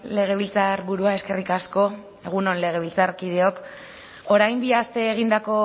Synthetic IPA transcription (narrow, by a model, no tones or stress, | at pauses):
le̞ɣ̞e̞β̞ilt͡saɾβuɾuae̞ske̞rikasko̞ | e̞ɣ̞uno̞nle̞ɣ̞e̞βilt͡sarkið̞e̞o̞k | oɾajmbiast̪e̞ːɣ̞ind̪ako̞